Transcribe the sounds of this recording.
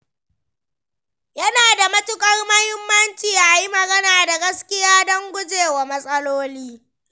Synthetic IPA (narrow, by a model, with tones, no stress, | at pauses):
jɐ˦naː˨da˨mɐ˦tʊ˨kʼɐ˦rmɐ˦hɪ˦mːɐ˦nt͡ʃiː˨ʔa˨ji˦mɐ˨ɡɐ˦naː˨da˨ɡɐ˦skʲɪ˦jaː˦dɔ˦ŋɡʷʊ˦d͡ʒeː˨wa˨mɐ˦sʼɐ˦loː˦liː˦